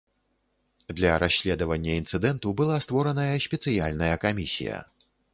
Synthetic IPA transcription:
d̪lʲɐɾaɕʲːlʲɛd̪ɐvɐnʲːɐint̪sɨd̪ɛnt̪ubɨlˠast̪vɔɾɐnɐjɐsʲpʲɛt̪sɨjalʲnɐjɐkamʲisʲḭjɐ̰

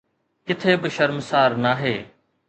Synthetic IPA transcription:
kɪt̪ʰeːbɪʃəɾmsaːɾnaːɦeː

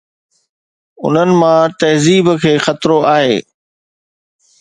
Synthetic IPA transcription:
ʊ̰n̤ənɪ̆mãt̪ɐɦziːbkʰeːxɐt̪ɾoaːɦḛː

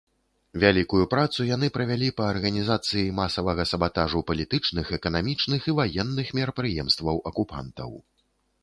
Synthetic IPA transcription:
vʲalʲikujupɾat̪sujanɨpɾɐvʲalʲipɐːrɣɐnʲizat̪sɨjimasɐvɐɣɐsɐbat̪aʐupɐlʲit̪ɨt͡ʂnɨxɛkɐnamʲit͡ʂnɨxivajɛnːɨxmʲɛɾɐpɾɨjɛmst̪vɐwʔɐkupa̰nt̪ɐ̰w

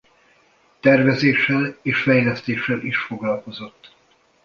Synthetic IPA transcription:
t̪ɛrvɛzeːʃːɛleːʃfɛjlɛst̪eːʃːɛliʃfo̞ɡlɒlko̞zo̞t̪ː

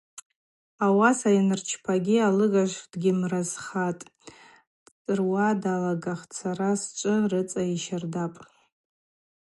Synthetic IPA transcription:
awasajinɨrt͡ʃʰpʰaɡʲialɨɡaʃʷd̥ɡʲɪmrazχatʼ | d̥t͡sʼɨrwadalaɡaχt͡sʰaɾast͡ʃʷʼɨrɨt͡sʼaiʃardapʼ

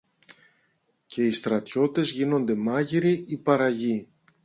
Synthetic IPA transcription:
ce̞ist̪ɾɐt̪ço̞t̪e̞zʝino̞nd̪e̞mɐʝiɾiipɐɾɐʝi

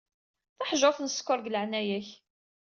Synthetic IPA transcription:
θaħʒofnəskːʊɾˤɡləʕnæjæç

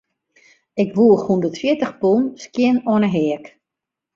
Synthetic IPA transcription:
ɪkʋuːəxundətfjɪtəxpunskjɪnɔnəɦɛək

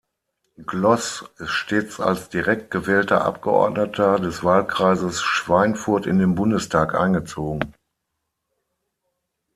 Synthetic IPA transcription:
ɡlɔsɪstʃteːt͡sa̰lsd̥iʁɛk̚t̚ɡ̥əvɛːltɐ̰ʔa̰p̚ɡ̥əʔɔ̰ɐdnətʰɐdɛsv̥aːlkʁ̥aɪzəsʃv̥aɪnfʊɐtɪ̰ndeːnbʊndəstʰaːkʔa̰ɪnɡət͡soːɡŋ̩

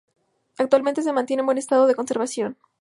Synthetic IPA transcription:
ak̚t̪walment̪e̞s̬e̞mãnt̪je̞nẽmbwe̞nest̪að̞o̞ð̞eko̞nse̞ɾβasjo̞n

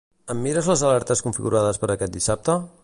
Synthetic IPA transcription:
əmːiɾəzləzəlɛɾt̪əskuɱfiɣuɾaðəspəɾəkɛt̪̚d̪isap̚t̪ə

